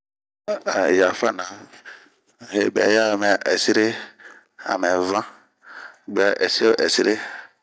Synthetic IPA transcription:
a˨ja˨fa˦˨nã˨ | he˨bɛ̰˨˦ja˦˨mɛ˨ʔɛ˨si˦ɾe˦ | a̰˨mɛ˨vã˦ | ɡ͡bɛ˨˦ʔɛ˨si˦o˦ʔɛ˨si˦ɾe˦

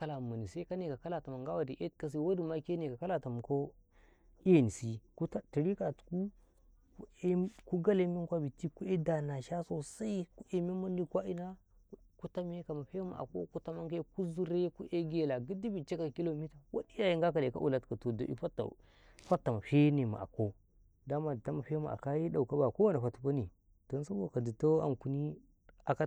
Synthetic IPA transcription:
a˦la˨ma˨ni˨se˦ka˦ne˨ka˨ka˦la˦˨ta˨ma˨ŋɡa˦wa˨di˨ʔe˦tka˦s̬i˦wa˦du˨ma˦ke˦ne˨ka˨ka˦la˨ta˨m˨ko˦ | i˦je˦ni˨si˦ku˦ta˦ti˨ɾi˦ka˨tku˦ | ku˦ɡa˦le˦mi˦ŋkʷa˦bi˨ti˦ku˦e˦da˨na˨ʃa˦so˦sa˦i˦ku˦ʔe˨me˦mu˦ndi˦kʷa˦i˦na˦ | ku˦ta˦me˦ka˨ma˨ɸe˦ma̰˨ʔa̰˨ko̰˦ku˦ta˦ma˦ŋke˦ku˦zu˦ɾe˦ku˦ʔe˦ɡe˦la˨ɡi˦di˦bi˨t͡ʃe˦ka˨ki˦lo˦˨mi˦ta˨wa˦di˦ja˦ji˨ŋɡa˦ka˨de˨ka̰˦ʔṵ˨la˦tka˨to˨do̰˨ʔḭ˦fa˦ta̰˨ | fa˦tːa˨ma˨ɸe˦ne˨ma̰˨a̰˨ko˦ | da˦ma˨di˨ta˦ma˨ɸe˦ma̰˨a̰˨ka˦ji˦da˨u˨ka˦ba˨ko˦wa˦na˨fa˨tu˨˦ka˦ni˨ | d̥o˨n˦sa˦bo˦˨ka˨di˨to˦a̰˨ŋku˨ni˦ | a˨ka˦

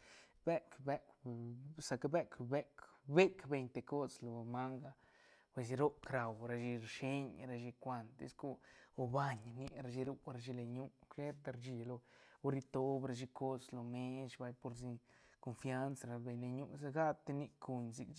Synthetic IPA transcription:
be˦kbe˦k | sa˧kbe˦kbe˦kbe˦kbe˧ɲt̪e˧ko˦slo˨ma˦ŋɡa˧˨ | pwe˧si˧ɾo˦pkɾa˨wɾa˧ʃi˧ɾʃi˦ɲɾa˧ʃi˧kʷa˧nt̪ḛ˦sko˦o˧ba˧ɲni˧˦ɾa˧ʃi˧ɾu˦ɾa˧ʃ̬i˧le˧ɲu˦kʃe˦t̪a˧ɾa˧d͡ʒi˧lo˧o˧ɾi˧t̪o˧˦bɾa˧ʃ̬i˧ko˦slo˨me˦ʃba˧jpo˧ɾsi˧ | ko˧nfja˦nsaɾa˧be˨ɲle˧ɲṵ˧s̬a˧ɡa˦t̪e˧ni˧kʰu˧ɲzi˧k

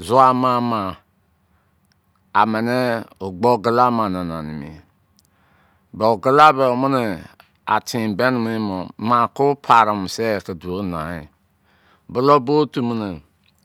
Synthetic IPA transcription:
zu˦a˦ma˦ma˨ | a˨mɛ˨nɛ˦o˨ɡ͡bo˦ɡə˦la˦ma˨na˨na˨ni˨mḭ˨ | bɔ˨ɡə˦la˦bɛ˨o˨mə˦ne˨ | a̰˨tʰĩ˨bɛ˦n˨mi˦mo˨mã˨kʊ˦pʰa˨ɾa˨m˨sɛ˦˨ki˨du˨o˦nã˨i˨ | bʊ˦lo˦bo˦tu˨mi˦ne˨

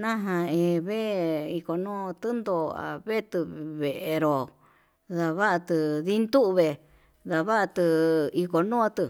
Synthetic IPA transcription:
nã˦ɦã˧ẽ˧βe˦i˧ko˨nũ˦˧t̪ɨ˦nd̪o˧a̰˨βe˦t̪ɨ˧βe˨ʔe˧ɾo˨ | ða˨βa˦ʔa˧t̪ɨ˧ði˦nd̪u˦ʔβe˧˨ | ða˨βa˦ʔa˧t̪ɨ˧i˧ko˧nũ˦˧t̪ɨ˧

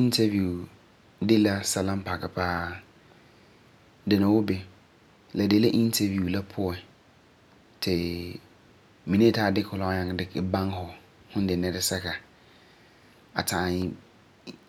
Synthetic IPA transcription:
ĩ˦ntʰa˦vju˨ | dɪ˦la˦sa˨lã˦m˦pa˨ka˨pʰaː˦ | dɪ˨nã˨wʊ˦bɛ˦ | la˨dɪ˨la˦ʔĩ˦n˦tʰa˨vu˨la˦pʰʊ˦ɛ˨ | tʰɪ˨ | mĩ˨nẽ˦taː˦˨dɪ˦kʰʊ˨lɔ˦ɲã˨ŋ˨dɪ˦kɪ˨bã˦ŋ˦hɔ˨ | hʊ̃˦n˦dɪ˨nɛ˦ɾɪ˦sɛ˦ka˨ | a˨tʰã˨ɲɪ˦

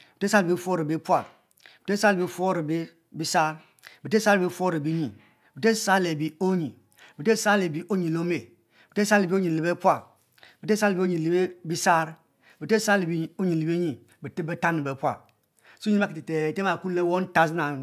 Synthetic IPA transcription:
bi˨te˦sa˦lbi˦fo˦ɾi˨bi˦pʷa˦˨ | bi˨te˦sa˦lbi˦fo˦ɾi˨bi˦ | bi˦sa˦ɾ | bi˨te˦sa˦ɾbi˦fo˦ɾi˨bi˦ɲi˨ | bi˨te˦sa˦le˨bi˨o˦ɲi˨ | bi˨te˦sa˦le˨bi˨ʔo˦ɲi˨lo˦me˨ | bi˨te˦sa˦lbi˦o˦ɲi˨li˨be˦pʷa˦˨ | bi˨te˦sa˦lbi˦o˦ɲi˨li˨˦be˦bi˦sa˦ɾ | bi˨te˦sa˦le˨bi˦˨˦o˦ɲi˨li˨be˦ɲi˨ | bi˨ti˦bə˦ta˦ni˨be˨˦pʷa̰˨ | sɲi˦a˦ki˨ti˨te˨te˦ma˨ku˦le˦wo˦n˦ta˦zna˨

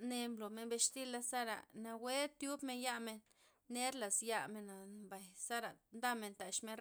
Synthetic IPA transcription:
ne˧mlo˨me˧nbe˧ʃt̪i˦la˧sa˦ɾa̰˨na˧we˦t̪ju˦bme˧nja˦me˧nː | e˦ɾla˨sja˧me˨na˨mba˨jsa˦ɾa˨nd̪a˦me˨nt̪a˨ʃme˧n

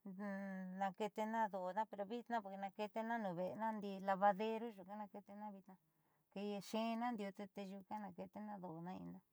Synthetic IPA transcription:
nã˧ke˧t̪e˧nã˦ðo˨nã˦pe˧ɾo˧βi˦t̪nã˦po˧ɾke˧nã˧ke˧t̪e˧nã˦nũ˨βe˨˧nã˦nd̪i˧la˧βa˧ðe˧ɾu˦ʒu˨ka˦nã˧ke˧t̪e˧nã˦βi˧t̪nã˧ | ke˧je˧ʃẽ˦˧nã˦nd̪i˧o˧t̪e˧t̪e˧ʒu˧kã˦nã˧ke˧t̪e˧nã˦ðo˨nã˦ḭ˧nã˦

